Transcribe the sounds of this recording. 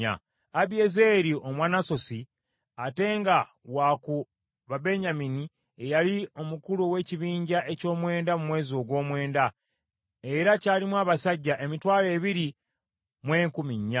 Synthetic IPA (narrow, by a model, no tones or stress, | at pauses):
a̰ | abieze̞ɾiomwaːnaso̞si | ate̞ːŋɡa | waku | βabe̞ɲamini | ejalio̞mukuluwe̞ːciβiːɲɟaʔe̞co̞ːmwe̞ːndamumwe̞ːzio̞ɡwo̞ːmwe̞ːnda | e̞ɾacaːlimwaːβasaɟːaʔe̞mitwaːle̞ːβiɾi | mweːŋkumiɲːa